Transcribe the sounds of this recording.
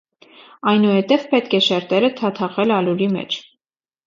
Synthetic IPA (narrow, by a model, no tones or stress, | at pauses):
ɑjnuhɛt̪ɛvpɛt̪kʰɛʃɛɾt̪ɛɾət̪ʰɑt̪ʰɑʁɛlɑluɾimɛ̰t͡ʃʰ